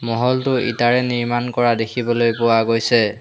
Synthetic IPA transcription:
mɔɦɔltʊʔḭtaɹɛniɹmankɔɹadekʰibɔlojpʊwaɡojsɛ

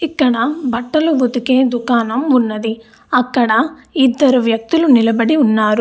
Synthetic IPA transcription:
ikːɐɽɐbɐʈːɐlubut̪ikeːd̪ukaːnɐmunːɐd̪i | ɐkːɐɽɐid̪ːɐɾuʋjɐk̚t̪ulunilɐbɐɽiunːaːɾu

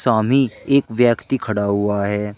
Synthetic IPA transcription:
saːmieːkʋjəkt̪ikʰɐɽaɦʊaɦɛː

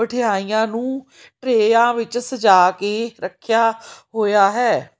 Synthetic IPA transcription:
əʈʰɪjaːijãːnũː | ʈɾeːjãːʋɪt͡ʃsəd͡ʒaːkeːɾəkʰːjaːɦoːjaːɦɛː

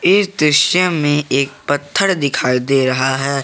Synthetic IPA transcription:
ɪsd̪ɾɪʃəmẽeːk̚pət̪ʰːəɽd̪ɪkʰaːid̪eɾɐɦaɦɛː

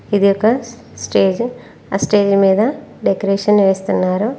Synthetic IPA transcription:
id̪ijɔkɐ | sʈeːd͡ʒ | sʈe̞ːd͡ʒmiːd̪ɐɖekɐɾeːʂɐnʋe̞ːst̪unːaːɾu

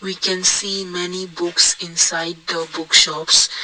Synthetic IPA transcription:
wikɛ̃nsiːmɛnibʊksɪ̃nsaɪɖ̚d̪əbʊkʃɔps

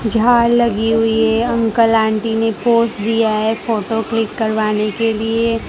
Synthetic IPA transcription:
d͡ʒʱaːɾlɐɡiɦʊiɦɛɐ̃ŋkəlãːɳʈinepoːsʈd̪ijaɦɛfoːʈoklɪkːɐɾʋaːnekelie

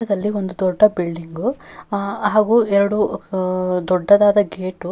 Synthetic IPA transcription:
ɐd̪ɐlːio̞nd̪ud̪ɔɖːɐbiɭɖiŋɡu | aːɡuːɛɾɐɽu | d̪ɔɖːɐd̪aːd̪ɐɡeːʈu

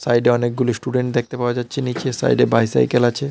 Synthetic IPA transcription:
sajɖeɔnek̚ɡulisʈuɖeɳʈd̪ek̚t̪epaoad͡ʑatːɕʰenit͡ɕesa̰jɖebajsa̰jkelat͡ɕʰe

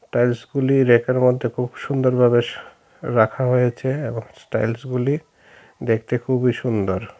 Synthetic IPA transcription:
sʈajlsɡuliɾekeɾmod̪ʱːekʰubʃund̪oɾbʱabeʃ | ɾakʰaɦojet͡ɕʰeeboŋsʈa̰jlsɡuli | d̪ekʰt̪ekʰubiʃund̪oɾ

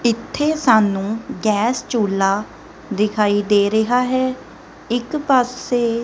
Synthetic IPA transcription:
ɪt̪ʰːeːsaːnũːɡɛːst͡ʃuːlːaː | d̪ɪkʰaːiːd̪eːɾəɦaːɦɛː | ɪkpaːseː

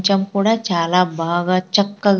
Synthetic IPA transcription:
t͡ʃɐmkuːɽaːt͡ʃaːlaːbaːɡaːt͡ʃɐkːɐɡ

